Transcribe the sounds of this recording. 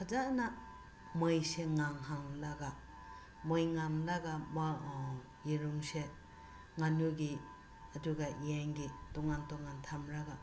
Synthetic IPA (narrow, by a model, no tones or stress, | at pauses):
kʰazana | mɯjseŋaŋɦaŋlaɡa | mɯjŋamlaɡam | jiɾuŋse | ŋanuɡi | aduɡaiaŋɡitɔŋantɔŋantʰamɾaɡa